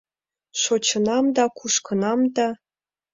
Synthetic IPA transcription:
ʂot͡ɕɤ̆nɑmd̪ɑkuʂkɤ̆nɑmd̪ɑ

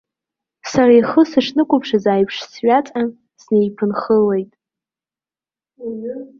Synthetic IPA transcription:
saɾajχəsɨʂnɨkʷʼʊpʰʂazaːjpʰʂsɥat͡sʼan | sne̞jpʰɨnχəle̞jtʼ

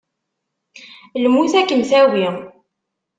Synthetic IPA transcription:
lmuθækːənθæwi

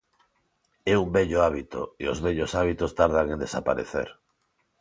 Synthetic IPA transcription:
ɛumbɛʎoaβit̪o̰ḛo̰zβɛʎosaβ̞it̪ost̪aɾð̞aŋẽnd̪esapa̰ɾḛθḛɾ

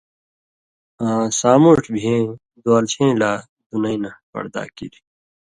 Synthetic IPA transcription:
ãːsaːmuʈʰbʱiẽː | d̪oːlt͡ɕʰẽːlaː | d̪unɐinɐpɐ̰ɾd̪a̰ːkḭɾi

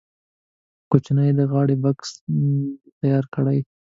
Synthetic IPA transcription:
kot͡ʃnəjd̪əɣɑɽebaks | t̪ajɑɾkəɽaj

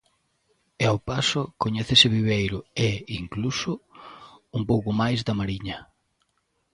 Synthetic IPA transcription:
eawpasʊkoɲɛθesɪβiβejɾʊeiŋklusʊ | umpowkʊmajzd̪ɐmaɾiɲɐ

